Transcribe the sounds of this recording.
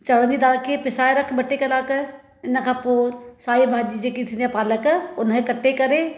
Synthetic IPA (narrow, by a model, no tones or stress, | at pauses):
t͡ʃɐɽənd̪id̪aːlkepɪsaːeɾɐkʰbɐʈːekɐlaːkə | ɪnəkʰapoːɾsaːibãːd͡ʒid͡ʒekit̪ʰɪnjapaːləkəʊnɦẽkɐʈːekɐɾeː